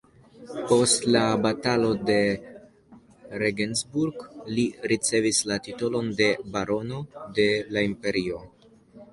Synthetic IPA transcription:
po̞stlabatalo̞de̞ | ɾeɡenzbuɾɡliɾit͡se̞vislatito̞lo̞nde̞baɾo̞no̞de̞laimpe̞ɾio̞

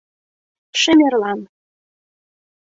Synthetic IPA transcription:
ʃɘ̆mʲerlɑn

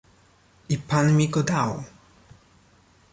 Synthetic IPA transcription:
ipanmʲiɡɔd̪aw

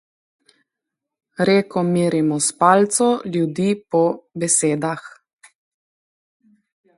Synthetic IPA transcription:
ɾeːkɔmiːɾimɔspaːlt̪sɔljud̪iːpɔbɛseːd̪ax

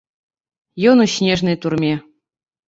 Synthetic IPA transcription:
jonuɕnʲeʐnɨjt̪urmʲe

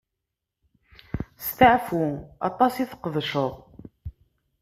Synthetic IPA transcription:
st̪əʕfuɑ̰t̪ˤːɑsiθqəðˤʃəðˤ

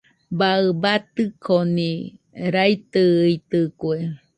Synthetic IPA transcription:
baɨbat̪ɨkʰoni | ɾajt̪ɨit̪ɨkwe

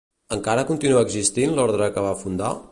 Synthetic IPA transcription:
əŋkaɾəkunt̪inuəːɡzist̪inlɔɾðɾəkəβ̞afund̪a̰

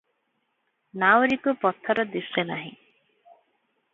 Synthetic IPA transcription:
nawɾikupɔt̪ʰɔɾɔd̪isenaɦḭ̃

